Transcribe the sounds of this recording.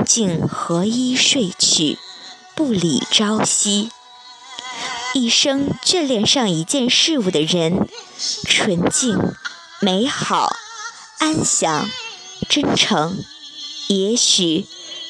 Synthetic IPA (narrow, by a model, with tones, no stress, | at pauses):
t͡ɕi˥˩ŋxɤ˧˥i˥ʂwe˥˩ɪt͡ɕʰy̰˨˩ | pu˥˩lḭ˨˩ʈ͡ʂɑ˥ʊɕi˥ | i˥˩ʂɤ˥ŋt͡ɕɛ˥˧ljɛ˥˩nʂɑ˥˩ŋi˧˥t͡ɕjɛ˥˧nʂɻ̩˥˧u˥˩d̪ə˩ɻə˧˥n | ʈ͡ʂʰwə˧˥nt͡ɕi˥˩ŋ | me˧˥ɪxɑ˨˩˦ʊ | a˥nɕjɑ˧˥˦ŋ | ʈ͡ʂə˥nʈ͡ʂʰɤ˧˥ŋ | jɛ˧˥ɕy˨˩˦